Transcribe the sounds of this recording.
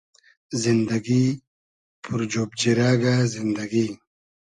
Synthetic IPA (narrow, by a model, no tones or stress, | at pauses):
zind̪aɡi | pʰuɾd͡ʑobd͡ʑiɾaɡazind̪aɡi